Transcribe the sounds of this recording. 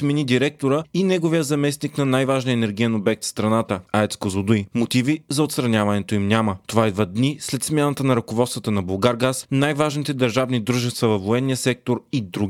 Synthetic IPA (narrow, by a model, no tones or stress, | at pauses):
t̪mɛnid̪iɾɛk̚t̪oɾəinɛɡovijəzɐmɛsniknɐnajvaʒnijəɛnɛɾɡijɛnobɛk̚t̪fst̪ɾɐnat̪əaɛt̪skozod̪ujmot̪ivizɐot̪st̪ɾɐnʲavɐnɛt̪oimnʲamət̪ovaid̪vəd̪nislɛt̪smʲjanət̪ənɐɾɐkovɔt̪st̪vət̪ənɐbolˠɡaɾɡasnajvaʒnit̪ɛd̪əɾʒavnid̪ɾuʒɛst̪vəvɐfvoɛnːijəsɛk̚t̪oɾid̪ɾuɡi